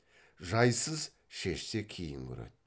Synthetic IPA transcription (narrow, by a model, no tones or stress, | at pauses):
ʒɑjsəz | ʃe̞ʃse̞kʲʰijɪŋɡʲɵ̰ɾḛt̪̚